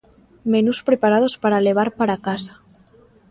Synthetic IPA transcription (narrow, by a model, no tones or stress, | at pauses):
menuspɾepaɾað̞ospaɾaleβ̞aɾpaɾakasḁ